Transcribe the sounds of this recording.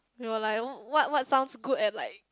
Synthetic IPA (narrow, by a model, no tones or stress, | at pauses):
wiwəlaɪkwɔt̚wɔtsãʊ̃nsɡudɛt̚laɪk̚